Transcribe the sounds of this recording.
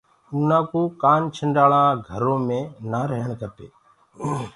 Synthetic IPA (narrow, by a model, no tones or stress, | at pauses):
uːnãːkoːkaːnt͡ʃʰəɳɖaːɭãːɡʱəɾõːmẽːnaːɾəɦəɳkəp̪ḛː